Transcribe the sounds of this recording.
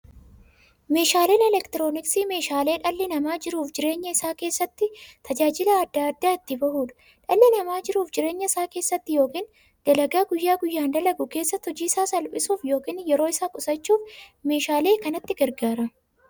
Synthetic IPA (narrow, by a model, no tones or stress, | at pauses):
me̞ːʃaːleːnɛlɛkt̪ɪɾo̞ːnɪksiːme̞ːʃaːleːᶑɐlːɪnɐmaːd͡ʒɪɾuːfd͡ʒɪɾe̞ːɲːɐɪsaːke̞ːsːɐt̪ːɪt̪ʰɐd͡ʒaːd͡ʒɪlɐːd̪ːaːd̪ːaːɪt̪ːɪbɐhuːᶑɐ̥ | ᶑɐlːɪnɐmaːd͡ʒɪɾuːfd͡ʒɪɾe̞ːɲːɐɪsaːke̞ːsːɐt̪ːɪjo̞ːkiːn | d̪̥ɐlɐɡaːɡʊjːaːɡʊjːaːnd̪ɐlɐɡʊke̞ːsːɐt̪ːɔd͡ʒiːsaːsɐlpʼɪsuːfjo̞ːkiːnjɛɾoːɪsaːkʼʊsɐt͡ʃːuːfme̞ːʃaːleːkɐnɐt̪ːɪɡɐɾɡaːɾɐ